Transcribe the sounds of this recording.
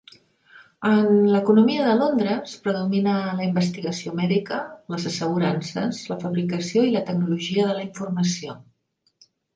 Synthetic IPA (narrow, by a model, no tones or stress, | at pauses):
ənləkunumiəðəlond̪ɾəspɾəðuminələimbəst̪iɣəsiomɛðikələzəsəɣuɾansəzləfəβɾikəsioilət̪əɡ̚nuluʒiəðələiɱfurməsio